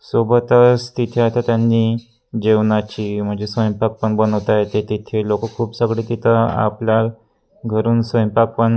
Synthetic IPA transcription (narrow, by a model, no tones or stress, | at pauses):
sobət̪əst̪it̪ʰeat̪ʰat̪janːiː | d͡ʑeʋnat͡ɕiːm̤əɳd͡zesəjmpak̚pəɳbənəʋt̪ajet̪et̪it̪ʰelokəkʰuːpsəɡɭet̪it̪ʰəa̰pljaɾ | ɡʱəɾuːnsəjmpak̚pəɳ